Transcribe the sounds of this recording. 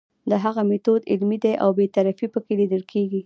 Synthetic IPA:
d̪əɦaɣamet̪od̪ɪ̰lmid̪aʔa̰wbet̪aɾafipəkelid̪əlkʰeɡi

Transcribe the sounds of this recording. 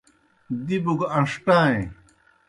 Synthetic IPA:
d̪ibuɡɐ̃ʂʈãːẽ

